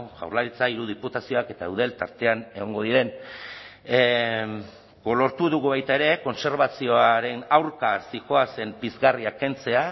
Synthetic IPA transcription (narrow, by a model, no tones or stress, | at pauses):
ɣa̰wrlaɾit͡saiɾuð̞iput̪asio̞ake̞t̪aewðe̞lt̪aɾt̪e̞ane̞ɣo̞ŋɡo̞ðiɾe̞n | ɡolo̞ɾt̪uðuɣuβajt̪ae̞ɾe̞ko̞nse̞ɾβasio̞aɾe̞nawɾkasixo̞ase̞mbizɣariake̞nt͡se̞a